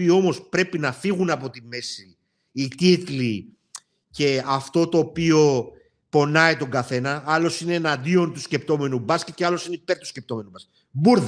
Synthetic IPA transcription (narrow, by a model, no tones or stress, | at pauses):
io̞mo̞spɾe̞pinɐfiɣunɐpo̞t̪ime̞siː | t̪it̪li | ce̞ɐft̪o̞t̪o̞ːpio̞ | po̞nɐit̪o̞ŋɡɐθe̞nɐɐlo̞sine̞ːnɐnd̪io̞nt̪usce̞pt̪o̞me̞nubɐscet̪ceɐlo̞sineipe̞ɾt̪u̥scep̚t̪o̞me̞nubɐs | buɾ